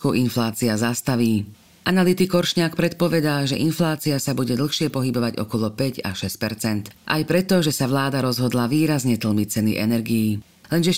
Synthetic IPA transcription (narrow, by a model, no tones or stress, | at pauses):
kuʔinflaːt͡siazast̪aʋiː | ʔanalit̪ikɔɾʃɲaːk̚pɾɛt̪̚pɔʋɛd̪aːʒɛʔinflaːt͡siasabuɟɛd̪l̩xʃɪɛpɔɦibɔʋaɟɔ̰kɔlɔpɛɟa̰ʃɛsc̚pɛɾt͡sɛnt̪ʔa̰jpɾɛt̪ɔʒɛsaʋlaːd̪aɾɔzɦɔd̪laʋiːɾazɲɛt̪l̩ˠmit͡sɛnḭʔɛ̰nɛɾɡijː | lɛnʒɛ